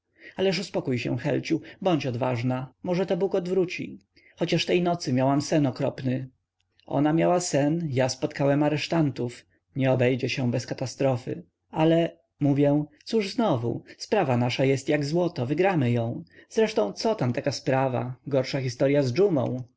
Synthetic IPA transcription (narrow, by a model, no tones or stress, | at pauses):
alɛʂ̬uspɔkujɕɛ̰xɛ̰lt͡ɕubɔɲt͡ɕɔd̪vaʐnamɔʐɛt̪ɔbukɔd̪vɾut͡ɕḭ | xɔt͡ɕaʂt̪ɛjnɔt̪sɘmʲjawamsɛnɔkɾɔ̰pnɘ | ʔɔ̰namʲjawasɛnjaspɔt̪kawɛmaɾɛʂt̪ant̪uf | ɲɛɔbɛjd͡ʑɛɕɛbɛskat̪ast̪ɾɔfɘ̰ | alɛ | muvʲjɛ̃t̪suʐznɔvṵspɾavanaʂajɛst̪jaɡzwɔt̪ɔvɘɡɾamɘjɔ̃w̃z̥ɾɛʂt̪ɔ̃w̃t̪sɔt̪amt̪akaspɾava̰ɡɔɾʂaxʲist̪ɔɾjazd͡ʐumɔ̰̃w̃